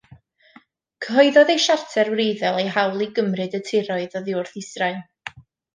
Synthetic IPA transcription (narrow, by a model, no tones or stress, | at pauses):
kʰəɦɔɨðɔðejʃartʰɛrwrejðɛlˠejɦawlˠiɡəmrɨdətʰɪɾɔɨðɔðɪʊrθɪsraɨn